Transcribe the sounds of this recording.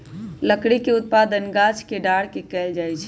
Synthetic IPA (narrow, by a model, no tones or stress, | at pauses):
ləkɽikeʊt̪̚pad̪ənɡat͡ʃʰkeɖaɽ̤kekɛld͡ʒajt͡ʃʰɛ